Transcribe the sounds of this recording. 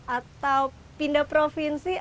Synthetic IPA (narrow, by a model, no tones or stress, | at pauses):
ʔat̪aw | pindapɾofinsi